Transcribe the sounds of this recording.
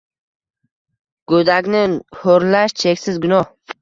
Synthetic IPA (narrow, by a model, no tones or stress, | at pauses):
ɡ̥od̪aɡʲnɪhoɾlaʃt͡ʃʰe̞kʲsɪzɡʊnɒh